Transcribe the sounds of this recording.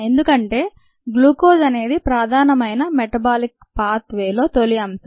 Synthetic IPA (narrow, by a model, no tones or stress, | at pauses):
e̞nd̪ukɐɳʈe̞ː | ɡluːkoːd͡ʒɐne̞ːd̪ipɾaːd̪ʱaːnɐmɐjnɐmeʈɐbaːlik̚ | paːt̪ʋeːlo̞ːt̪o̞liɐmsɐ